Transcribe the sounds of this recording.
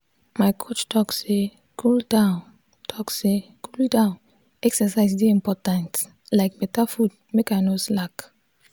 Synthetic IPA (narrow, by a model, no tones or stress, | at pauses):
maɪkʰot͡ʃtɔkse | kʰuldãn | tʰɔksekʰuldãn | ɛksɛsaɪzdeĩmpɔtãnt | laɪk̚bɛtafud̚ | mekanoslak